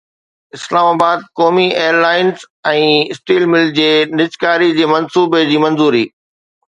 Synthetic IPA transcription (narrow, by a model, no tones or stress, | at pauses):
ɪslaːmaːbaːd̪̚kɔːmieːəɾlaːɪnz | ɛ̃ːɪsʈiːlmɪld͡ʑeːnɪt͡ɕkaːɾid͡ʑeːmɐnsuːbed͡ʑiːmɐ̃nzuːɾiː